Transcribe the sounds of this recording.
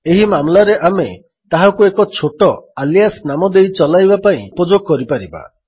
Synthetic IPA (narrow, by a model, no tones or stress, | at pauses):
eɦimamlaɾeʔame | t̪aɦakuekɔt͡ʃʰoʈɔalijasnamɔd̪ejt͡ʃɔlajbapaĩpod͡ʒoɡ̚kɔɾipaɾiba̰